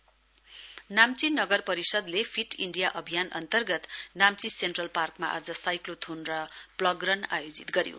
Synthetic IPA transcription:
namt͡sinʌɡʌrpʌɾisʌd̪lepʰiʈiɳɖijaʔʌbʱijanʔʌ̰nt̪ʌrɡʌt̪namt͡sisenʈrʌlparkma̰ʔa̰d͡zʌsajklot̪ʰunrʌplʌɡrʌnajod͡zit̪ɡʌɾjo̰

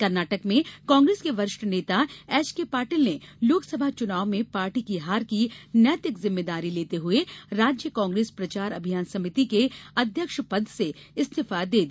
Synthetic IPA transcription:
kɐɾnaːʈəkmẽkãːŋɡɾeːskeʋɐɾɪʃʈəneːt̪aɛːt͡ʃkepaːɾʈiːlneloːksɐbʱat͡ʃʊnaːʋmẽpaːɾʈikiɦaːɾkinjət̪ɪkzɪmːeːd̪aːɾileːt̪eɦʊeɾaːd͡ʒjəkãːŋɡɾeːspɾɐt͡ʃaːɾɐbʱijaːnsɐmɪt̪ikeɐd̪ʱjəkʃpɐd̪ʱseɪst̪ʰɪfad̪eːd̪i

